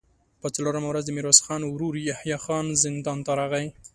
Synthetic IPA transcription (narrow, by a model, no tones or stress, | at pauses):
pət͡saloɾamawɾazd̪əmiɾɑsxɑnwɾuɾijahjɑxɑnzɪnd̪ɑnt̪ɑɾaɣaj